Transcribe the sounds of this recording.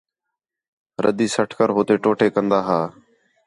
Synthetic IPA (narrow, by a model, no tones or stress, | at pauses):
ɾʔəd̪iːsəʈʰkəɾɦoːt̪eːʈoːʈeːkənd̪aːɦaː